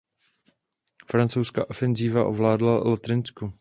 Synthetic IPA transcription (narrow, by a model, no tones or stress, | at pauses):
fɾant͡sowska̰ːʔo̞fɛnziːvaʔovlaːdlalot̪ɾɪnsku